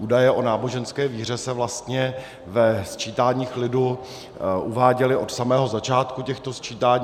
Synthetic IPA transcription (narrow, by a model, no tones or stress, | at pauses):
ʔuːdajɛʔo̞naːbo̞ʒɛnskɛːviːr̝ɛsɛvlast̪ɲɛ | vɛst͡ʃiːt̪aːɲiːxlɪdu | ʔuvaːɟɛlɪʔo̞t̪samɛːɦo̞zat͡ʃaːt̪kucɛxt̪o̞st͡ʃiːt̪aːɲ